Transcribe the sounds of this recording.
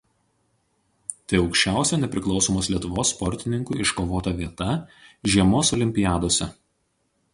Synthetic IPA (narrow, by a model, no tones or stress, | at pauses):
t̪ɐɪɒʊkʃʲt͡ʃʲæˑʊsʲɛnʲɛpʲɾʲɪklˠɒʊsɔːmoːslʲiɛt̪ʊʋoːsːpɔɾʲt̪ʲɪnʲɪŋkuɪʃkoːʋoːt̪ɐʋʲiɛt̪ɐʒʲiɛmoːsɔlʲɪmʲpʲɪjæːd̪oːsʲɛ